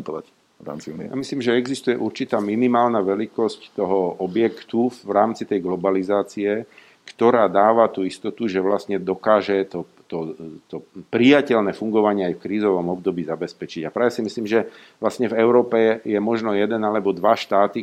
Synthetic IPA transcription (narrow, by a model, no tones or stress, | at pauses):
ta | ɾa̰mija̰misliːmʒɛɛɡzist̪ujɛʔuɾt͡ʃit̪aːminimaːlnaʋɛlikɔsct̪ɔɦɔɔbjɛkt̪uɾaːmt͡sit̪ɛjɡlɔbalizaːt͡siɛ | kt̪ɔɾaːd̪aːʋat̪uist̪ɔt̪uʒɛʋlastɲɛd̪ɔkaːʒɛt̪ɔ | t̪ɔt̪ɔpɾijacɛlnɛːfuŋɡɔʋaɲɪɛajfkɾiːzɔʋɔmɔb̚d̪ɔbiːzabɛspɛt͡ʃiɟapɾaːʋɛsimisliːmʒɛ | ʋlasɲɛvɛʊɾɔːpɛjɛmɔʒnɔjɛd̪ɛnalɛbɔd̪ʋaʃt̪aːt̪i